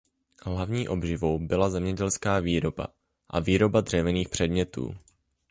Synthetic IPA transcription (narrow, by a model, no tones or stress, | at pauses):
ɦlavɲiːʔo̞bʒɪvo̞wbɪlazɛmɲɛɟɛlskaːviːɾo̞ba̰ | ʔa̰viːɾo̞bad̪r̥ɛvɛniːxpr̝̥ɛdmɲɛt̪ṵː